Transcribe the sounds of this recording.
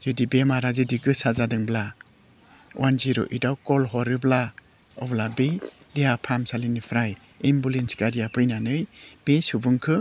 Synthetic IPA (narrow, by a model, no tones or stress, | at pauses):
z̥ɯdibemaɾazɯdiɡɯsazadɯŋbla | wʔanziɾo̰ʔidawkɔlɦɔɾɯbla | ɔ̰blabej | deapʰamsalinipʰɾaj | embulensɡaɾijapʰɯjnanɯjb̥esubɯŋkʰɯ